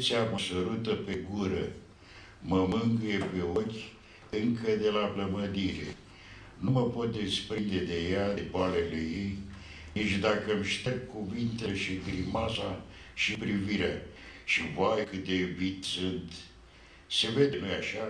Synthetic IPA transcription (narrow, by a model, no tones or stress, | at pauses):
seaməsəɾut̪əpeɡuɾə | məmɨŋɡjepe̞okʲ | ɨŋkəd̪e̞labləməd̪iɾḛ | numəpo̞t̪̚d̪espɾind̪e̞d̪e̞jaebalelejej | nit͡ʃd̪akəmʃt̪erb̚kuvint̪eʃiɡɾimasa | ʃipɾiviɾeaʃivajkɨt̪̚d̪evit̪sɨnt̪ | se̞ved̪enojaʃa